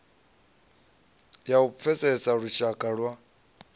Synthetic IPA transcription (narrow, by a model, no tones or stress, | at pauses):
jaup̪fʰɛsɛsaɺuʃakʼaɺwa